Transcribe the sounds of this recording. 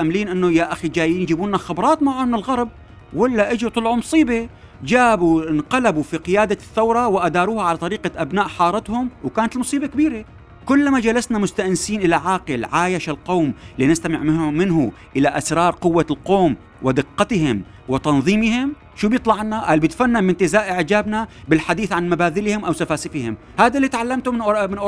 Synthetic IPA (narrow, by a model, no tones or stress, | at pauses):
ʔamːliːnʔɪnːʊjaʔaxid͡ʒaːjiːnjd͡ʒiːbuːnːaxɪbɾˤɑːt̪maʕʊmɪnɪlɣɑɾˤb̚ | walːaʔɪd͡ʒibt̪ˤɑlʕumʊsˤiːbe | d͡ʒaːbunqɑlabufiqɪjaːd̪aθːawɾˤɑwɪʔad̪ɑːɾuːhaʕalat̪ˤɑɾiːqaʔabnaːʔħɑːɾˤɑt̪hʊmwkaːnat̪ɪlmʊsˤiːbekbiːɾe | kʊlːmad͡ʒalasnamʊst̪aʔnsiːnʔɪlaʕaːqɪlʕaːjaʃalqowmlinɪst̪amɪ̰ʕɪmɪnɦʊ | ʔɪlaʔasɾˤɑːɾˤqʊwːalqoːm | wɪd̪ɪqːɑt̪hɪm | wɪt̪ɑnðˤiːmɪhɪm | ʃuːbjɨt̪ˤlɑʕnaʔalbjɪt̪fanːabɪnt̪ɪzaːʔʔɪʕd͡ʒaːbnabɪlħad̪iːθʕanmabaːðɪlhɪmʔawsafaːsɪfɪhɪm | haːd̪alːiːt̪ʕalːamt̪ʊmmɪnʔʊ